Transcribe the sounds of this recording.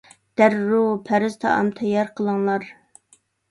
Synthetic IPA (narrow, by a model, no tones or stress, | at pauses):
d̪̥æɾːupʰæɾɪz̥t̪ʰɑ̰ɑ̰mt̪ʰɛjɑɾqʰəlˠəŋlˠɑɾ